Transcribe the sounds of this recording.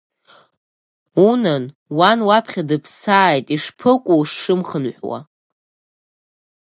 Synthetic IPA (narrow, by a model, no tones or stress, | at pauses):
unan | wanwapʰχʲadɨpʰsaːjtʼiʂpʰɨkʷʼuʂːɨmχənħʷwa̰